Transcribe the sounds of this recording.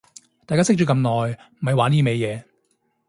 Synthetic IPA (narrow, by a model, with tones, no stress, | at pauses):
t̪aː˨jkaː˥sɪ˥k̚t͡ʃyː˨˧˥kɐ˧mnɔː˨jm̩˨˩hɐ˨˧jwaː˨˥niː˥me˨˧jɛː˨˧